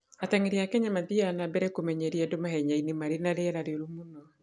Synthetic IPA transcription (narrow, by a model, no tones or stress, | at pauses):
ataŋeɾiakɛɲamaðianabɛɾɛkomɛɲɛɾiɛdomahɛɲainemaɾenaɾeɛɾaɾeoɾumunɔ